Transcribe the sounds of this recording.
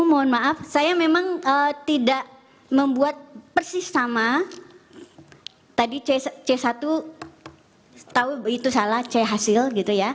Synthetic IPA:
umoɔnmaʔafsajamemaŋət̪idaʔ | məmbuat̪̚pərsɪsama | t̪adit͡ʃest͡ʃesat̪u | t̪auit̪usalaht͡ʃɛɦasɪlɡit̪uja

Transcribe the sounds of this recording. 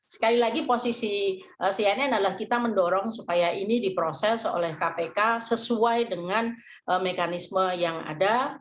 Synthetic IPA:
sə̥kalilaɡiposisi | ʔəsiananalahkit̪aməndɔɾɔŋsupajaʔinidipɾosɛso̰lɛhkapekasəsuajdəŋan | ʔəmekanisməjaŋa̰da

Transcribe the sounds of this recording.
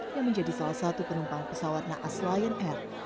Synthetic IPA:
jaŋməɲd͡ʒadisalahsat̪upənumpaŋpəsawat̪̚naʔaslajənɛr

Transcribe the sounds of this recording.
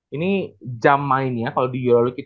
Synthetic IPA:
inid͡ʒamlaɪnjakalodijolalukit̪

